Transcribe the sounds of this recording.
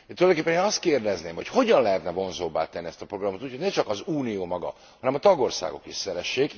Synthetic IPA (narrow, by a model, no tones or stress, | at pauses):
t̪ulɒjdokeːpːɛneːnɒst̪keːrd̪ɛzneːmho̞cho̞ɟɒnlɛɦɛt̪nɛvo̞nzoːbːa̰ːt̪ɛnːiɛst̪ɒpɾo̞ɡrɒmot̪uːcho̞ɟnɛt͡ʃɒkɒzuːnijoːmɒɡɒ̰ | hɒnɛmɒt̪ɒɡo̞rsa̰ːɡo̞̰kiʃsɛɾɛʃːeːk